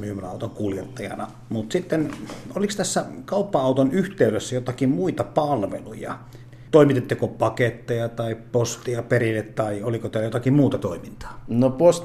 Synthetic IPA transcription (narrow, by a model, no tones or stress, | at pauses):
myːmønɑˑut̪oŋkuljet̪ːɑjɑ̰nɑ | mut̪sit̪ːenolikst̪æsːækɑˑupːɑɑˑut̪onyht̪eˑysøsːæjot̪ɑkimmuit̪ɑpɑlʋḛlujɑ̰ | t̪oˑimit̪et̪ːykopɑket̪ːejɑt̪ɑˑippost̪iɑperilːet̪t̪ɑiolikot̪æːlːæjot̪ɑkimmuːt̪ɑt̪oˑimint̪ɑ̥ːnopos